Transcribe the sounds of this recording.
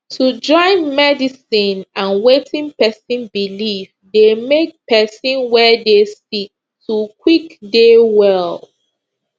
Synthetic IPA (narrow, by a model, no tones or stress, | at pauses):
tʰud͡ʒɔ̃ɪ̃nmɛdisĩnãnwetʰĩnpɛsĩnbilif | demek̚pɛsĩnwɛdesik̚ | tʰukwikdewɛl